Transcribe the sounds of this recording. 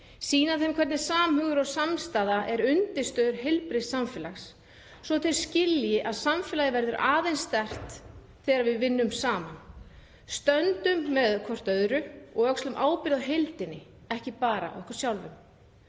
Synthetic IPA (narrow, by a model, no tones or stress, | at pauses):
siːnaθejmkʰɛɾt̪nɪ̥saːmhœːɣðʏɾɔɣsamst̪aːðaʔɛɾʏnt̪ɪ̥st̪œːðʏɾɦejlpɾɪsamfɛːlaxsː | vɔt̪ʰɪlscɪljɪʔaðsamfɛlajɪvɛɾðʏɾʔaːðejnst̪ɛr̥t̪ | θɛːɣɾaɾvɪðvɪnːʏmsaːman | st̪œnt̪ʏmːɛðkʰvɔr̥t̪œðɾʏɔɣœkslʏmʔaːwpɪɾðaðɦejlt̪ɪnːɪ | ɛhcɪpaːɾa̰ɔ̰ɛhkʏɾ̥sjawlvʏ̰m